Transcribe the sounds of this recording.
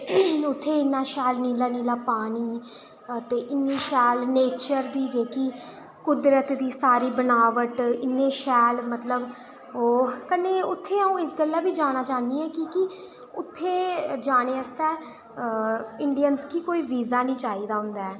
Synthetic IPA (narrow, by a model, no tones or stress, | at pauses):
ʊt̪ʰːeːɪnːaːʃɛːlniːlaːniːlaːpaːniː | t̪eːʔɪnːeːʃɛːlneːt͡ʃəɾd̪iːd͡ʒeːkiː | kʊd̪ɾət̪d̪iːsaːɾiːbənaːʋəʈɪnːeːʃɛːlmət̪ləb | oːkəneːʊt̪ʰːeːaːũːɪsɡəlːaːbiːd͡ʒaːñaːt͡ʃaːnd̪iːɛ̃ːkiːkɪ | ʊt̪ʰːeːd͡ʒaːñeːəst̪ɛː | ɪɳɖijənskiːkoːiːʋiːzaːnĩːt͡ʃaːiːd̪aːɦʊ̃nd̪aːɛː